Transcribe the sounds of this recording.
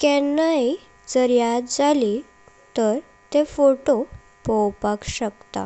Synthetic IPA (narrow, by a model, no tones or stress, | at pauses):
kɛnai | d͡zəɾjat̪d͡zali | t̪əɾ | t̪efoʈo | pɔwpakɕəkt̪a̰